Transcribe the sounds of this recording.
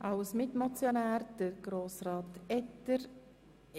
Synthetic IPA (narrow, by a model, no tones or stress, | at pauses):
ʔɑwsmɪtmɔt͡sjonæːɾd̥əɡ̥ɾoːsɾɑːt̪ɛtːəɾ